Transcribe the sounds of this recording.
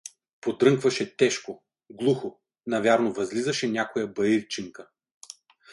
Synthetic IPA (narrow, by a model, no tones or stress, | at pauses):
pod̪ɾɤŋkvɐʃɛt̪ɛʃko | ɡlˠuxo | nɐvʲaɾnovɐzlizɐʃɛnʲakojɐbɐjiɾt͡ʃiŋkə